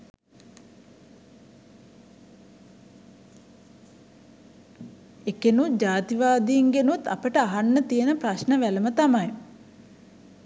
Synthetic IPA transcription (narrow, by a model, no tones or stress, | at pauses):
ekenud͡ʒaːt̪iʋaːd̪iːŋɡenut̪a̰pəʈəaɦanːət̪ijənəpɾaʃnəʋæləmət̪amaj